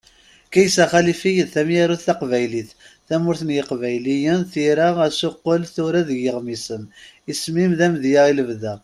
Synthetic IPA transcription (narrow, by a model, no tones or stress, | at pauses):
kæjəsæχælifijəðθæmjaɾuθθæqvæjliθ | θæmʊɾθənjəqvæjlijənθiɾaæsʊqːəlθʊɾæðəʝəʁmisənismimðæmðjəʁiləvðæ